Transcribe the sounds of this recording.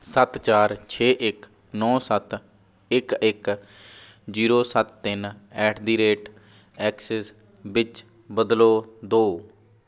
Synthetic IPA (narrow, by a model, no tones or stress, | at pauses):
sət̪t͡ʃaːɾt͡ʃʰeːʔɪk | nɔːsət̪ | ɪkɪk | d͡ʒiːɾoːsət̪ːɪnɛːʈʰd̪iːɾeːʈ | ɛːksɛs | bɪt͡ʃ | bəd̪loːd̪oː